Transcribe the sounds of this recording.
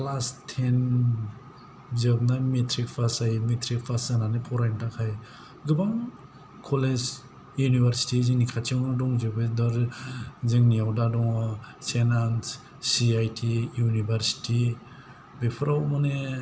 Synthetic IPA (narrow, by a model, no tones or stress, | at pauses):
lastʰen | zɯb̚nametʰɾik̚pʰasajmetʰɾik̚pʰasananepʰɔɾajntakʰaj | ɡɯbaŋ | kʰɔled͡ʒ | junibʱaɾsi̥tizinikʰat͡ʃawnadɔŋd͡ʒɯbɯdɔɾziŋniawdadɔŋasenans | siajtʰijunibʱaɾsi̥ti | bepʰɾawmane